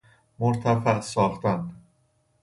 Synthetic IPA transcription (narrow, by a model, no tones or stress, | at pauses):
moɾt̪ʰæfæʔsɒːxt̪ænd̪